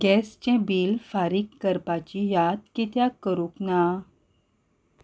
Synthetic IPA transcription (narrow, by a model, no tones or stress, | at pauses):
ɡ̥ɛst͡ɕɛ̃biːlfaɾikːəɾpat͡ɕijad̪kit̪jakəɾũkna